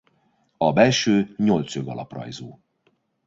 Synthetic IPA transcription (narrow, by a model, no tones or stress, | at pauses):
ɒbɛlʃøːɲo̞lt̪søɡɒlɒ̰prɒ̰jzoː